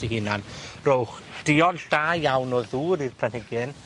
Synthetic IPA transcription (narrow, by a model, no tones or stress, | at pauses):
iɦɪnanrowχd̥ɪɔdd̥ajjawnɔðuːɾirpʰlanhɪɡɨn